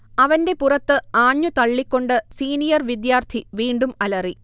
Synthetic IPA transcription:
ɐʋɐnde̞purɐt̪ːɨaːɲːut̪ɐɭːikʲːo̞ɳɖɨsiːnijɐrʋid̪jaːrt̪ʰiʋiːɳɖumɐlɐri

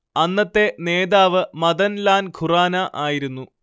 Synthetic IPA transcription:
ɐnːɐt̪ːe̞ne̞ːd̪aːʋɨmɐðɐnlaːnkʰuraːnɐʔaːjiɾunːu

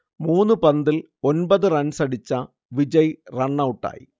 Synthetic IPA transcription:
muːnːɨpɐnd̪il | o̞nbɐðɨrɐnsɐɽit͡ɕːɐ | ʋid͡ʑɐjrɐɳːɐwuʈːa̰ːjḭ

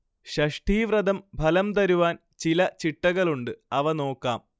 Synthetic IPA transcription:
ɕɐʂʈʰiːʋrɐd̪ɐmbʱɐlɐmt̪ɐɾuʋaːn | t͡ɕilɐt͡ɕiʈːɐɣɐɭuɳɖɨɐʋɐno̞ːkːaːm

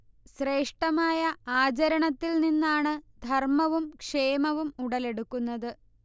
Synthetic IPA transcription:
ɕre̞ːʂʈɐmaːjɐaːt͡ɕɐɾɐɳɐt̪ːilninːaːɳɨd̪ʱɐrmɐʋumkʂe̞ːmɐʋumuɽɐle̞ɽukːunːɐðɨ

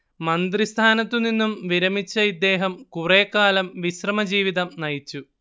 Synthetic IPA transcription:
mɐnd̪rist̪ʰaːnɐt̪ːuninːumʋiɾɐmit͡ɕːɐid̪ːe̞ːɦɐmkureːkːaːlɐmʋiɕrɐmɐd͡ʑiːʋiðɐmnɐjit͡ɕːu

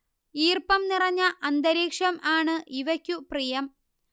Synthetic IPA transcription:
iːrpɐmnirɐɲːɐʔɐnd̪ɐɾeːkʂɐmaːɳɨʔiʋɐkʲːuprijɐm

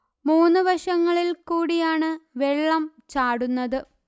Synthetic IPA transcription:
muːnːɨʋɐʂɐŋːɐɭilkuːɽijaːɳɨʋe̞ɭːɐm | t͡ɕaːɽunːɐðɨ

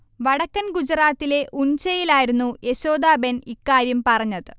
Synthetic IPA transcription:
ʋɐɽɐkːɐnɡud͡ʑɐraːt̪ːile̞ʔuɲt͡ɕɐjilaːjiɾunːuʔe̞ɕo̞ːd̪aːbenikːaːɾjɐmpɐrɐɲːɐðɨ

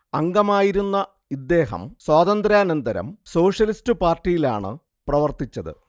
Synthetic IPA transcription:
ɐŋɡɐmaːjiɾunːɐ | id̪ːe̞ːɦɐ̰mswaːðɐnd̪ɾaːnɐnd̪ɐɾɐ̰mso̞ːʂjɐlistɨpaːrtːijila̰ːɳɨ̰ | prɐʋɐrt̪it͡ɕːɐðɨ̰

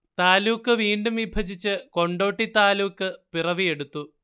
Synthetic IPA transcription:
t̪aːluːkːɨʋiːɳɖumʋibʱɐd͡ʑit͡ɕːɨko̞ɳɖo̞ːʈːit̪aːluːkːɨpirɐʋie̞ɽut̪ːu

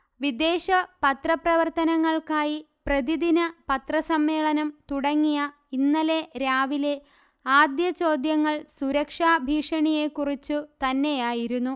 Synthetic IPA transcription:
ʋid̪e̞ːɕɐpɐt̪rɐprɐʋɐrt̪ɐnɐŋːɐɭkaːji | prɐd̪iðinɐpɐt̪rɐsɐmːe̞ːɭɐnɐmt̪uɽɐŋːijɐ | inːɐle̞ɾaːʋile̞ | aːd̪jɐt͡ɕo̞ːd̪jɐŋːɐɭsuɾɐkʂaːbʱiːʂɐɳije̞kːurit͡ɕːɨt̪ɐnːe̞jaːjiɾunːu

